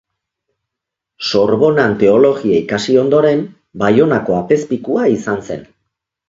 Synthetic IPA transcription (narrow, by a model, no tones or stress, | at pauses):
so̞ɾβo̞nant̪e̞o̞lo̞ɣiaikasio̞nd̪o̞ɾe̞m | bajo̞nako̞ape̞spikuaisanse̞̰n